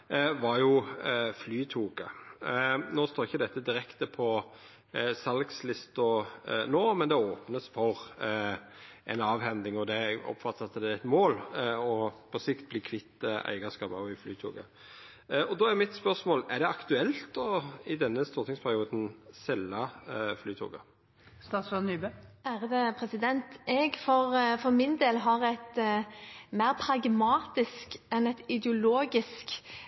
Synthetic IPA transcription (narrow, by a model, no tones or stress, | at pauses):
ʋɑɾjʊflyːt̪ʰuːkə̰ | noːst̪oːɾɪçːəd̪ɛt̪ːəd̪ɪɾɛkt̪əpʰɔ | sɑlɡslɪst̪ʊnoːmɛnd̪ɛoːpnəsfɔʁ | ʔɛ̰nɑːʋhɛnd̪ɪŋɔd̪ɛɔ̰pfɑt̪ːɑt̪ːəd̪ɛɛt̪moːlɔpʰɔsɪkt̪̚bliːkʰʋɪt̪ːəæ̰ɪɡəskɑːpɑʋɪflyːt̪ʰṵːkə | ɔd̪ɔːæɾmɪt̪spœɾsmoːlɛɾd̪ɛɑkt̪ʉɛlt̪ɔɪd̪ɛnːəst̪uːɾt̪ʰɪŋspʰæɾɪuːd̪n̩sɛlːɑflyːt̪ʰṵːɡə̰ | st̪ɑːt̪sɔnːyːbəæːɾəd̪əpʰɾɛsɪd̪ɛnt̪ʔɛɡfɔɾfɔɾmɪnd̪eːlɦɑʁɛt̪ | mæɪɾpʰɾɑɡmɑːt̪ɪskɛnɛt̪ɪd̪əʊloːɡɪsk